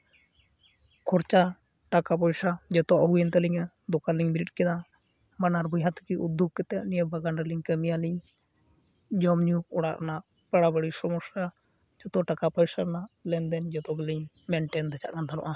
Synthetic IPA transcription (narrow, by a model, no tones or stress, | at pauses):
kʰɔɾt͡ʃa | ʈakapɔjsad͡ʒɔt̪ɔʔɔɦujɛnt̪aliɲa | d̪ɔkaliɲbiɾiʈ̚ˀkɛd̪a | manaɾbɔjɦat̪kiʔud̪uɡ̚kɛt̪ɛʔnijəbaɡanɾɛliŋkəmijaliɲ | d͡ʒɔmɲuɔɽaʔɾa̰naʔ | baɽabəɽisɔmɔsa | d͡ʒɔt̪ɔʈakapɔjsaɾnaʔlɛnd̪ɛnd͡ʒɔt̪ɔɡɛliɲ | mɛɳʈɛnd̪ɛt͡ʃaʔkand̪ʰʱanɔ̰ʔa